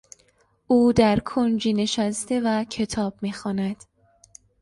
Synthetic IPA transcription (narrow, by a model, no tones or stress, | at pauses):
ʔuːd̪æɾkʰond͡ʒiːne̞ʃæst̪e̞væcʰe̞t̪ʰɒːb̥̚miːxɒːnæd̪̥